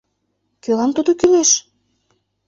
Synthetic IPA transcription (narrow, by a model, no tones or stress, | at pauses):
kølɑmt̪ud̪okyleʃ